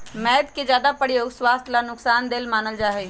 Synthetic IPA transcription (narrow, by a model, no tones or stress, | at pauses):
mɛːəd̪ked͡ʒjaːd̪apəɽioːɡswaːst̪ʰlaːnʊksaːnd̪ɪlmaːnəld͡ʒaːɦeː